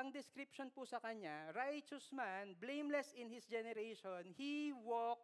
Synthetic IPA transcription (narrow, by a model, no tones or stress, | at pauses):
ɐŋd̪ɪskɾɪpʃonpʊsɐkɐɲaɾajt͡ʃɛsmanblẽjmlɛsɪnhɪsd͡ʒɛnɛɾeʃonhiwok̚